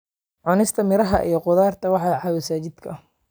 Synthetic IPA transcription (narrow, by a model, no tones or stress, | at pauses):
ʕʊnɪst̪ʰɐmɪɾɐɦɐ̰ʔḭjɞqʊðaːrt̪ʰɐwɑħɑːʕɑːwɐsaːt͡ʃɪd̪kʰɐ̰